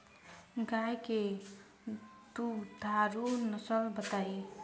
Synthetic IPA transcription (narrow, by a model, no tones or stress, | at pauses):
ɡajke | t̪ud̪ʱaɾunəsəlbət̪aj